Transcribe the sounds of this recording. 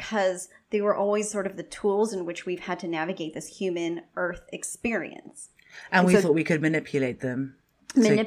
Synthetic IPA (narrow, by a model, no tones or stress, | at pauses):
kʰʌzðeɪwə˞ʔɔlˠwiz̥sɔɹɾʌvðɨtʰulˠzɨ̃nwɨt͡ʃwiv̥ɨd̚tʰɨnævɨɡeɪt̪̚ðɪshjʉmɨ̃nɜ˞θɨkspɪɹḭɨ̰̃ns | ʔə̃nwiθɔˑʔ̚wikʰɨd̚mɨnɪpʰjɨleɪt̪̚ðə̃m | mɨnɪ